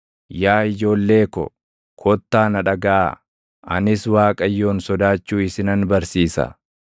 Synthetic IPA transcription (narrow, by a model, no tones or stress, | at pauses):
jaːɪd͡ʒo̞ːlːe̞ːkɔ̰ | kʰɔt̪ːaːnɐᶑɐɡa̰ː | ɐ̰nɪswaːkʼɐjːo̞ːnsɔd̪aːt͡ʃːuːɪsɪnɐnbɐɾsiːsɐ̰